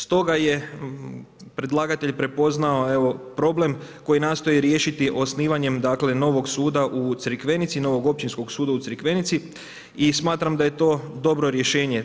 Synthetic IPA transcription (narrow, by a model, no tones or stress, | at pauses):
st̪o̞ɡaje̞ | pɾe̞d̪lˠaːɡat̪e̞ʎpɾe̞po̞znaoe̞ʋo̞pɾo̞ble̞mko̞jinaːst̪o̞jiɾje̞ːʃit̪iʔo̞sniːʋaɲe̞md̪aːkle̞no̞ʋo̞ɡsuːd̪aʔut̪sɨɾkʋe̞nit̪sino̞ʋo̞ɡo̞p̚t͡ɕinsko̞ɡsuːd̪aut̪sɾkʋe̞nit̪si | ismaːt̪ɾamd̪ajet̪o̞ːd̪o̞bɾo̞ɾje̞ʃe̞ːɲe̞